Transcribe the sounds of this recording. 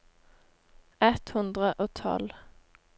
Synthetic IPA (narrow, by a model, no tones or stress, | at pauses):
ɛt̪hʉnd̪ʁəʔoːt̪ʰɔ̰l